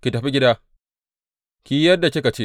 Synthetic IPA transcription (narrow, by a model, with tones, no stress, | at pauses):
kʲi˨tɐ˨ɸi˦ɡʲɪ˦daː˦ | kʲiː˦jɐ˦dːa˨kʲɪ˦ka˨t͡ʃe˦